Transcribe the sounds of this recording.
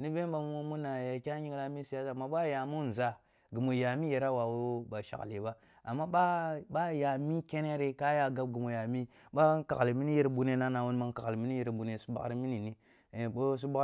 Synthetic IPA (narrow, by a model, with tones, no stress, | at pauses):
ni˦be˦m˦ba˨˦u˦mu˦na˨ja˨kʲa˦ɲi˦ŋla˦mi˦si˨ja˦sa˨mːa˦ɓa˦ja˨mu˦n˨za˨ | ɡi˨mo˨ja˨mi˦je˨ɾa˦wa˨wo˦ba˨ʃa̰˨kli˨ba˦ | a̰˨mːa˦ɓa˦ba˦ja˨mi˦ke˦ne˦ɾe˦ka˦ja˦ɡa˦b̚ɡi˨mo˨ja˨mi˦ | ba˦ka̰˨kli˨mi˦ni˦je˦ɾbu˨ne˦na˦na˨wu˦n˦ma˦ŋ˦ka˨kli˨mi˦ni˦je˨ɾbu˨ne˨su̥˦ba̰˦ɾi˦mi˦ni˨ni˦˨ | bo˦s̬u˦ba˦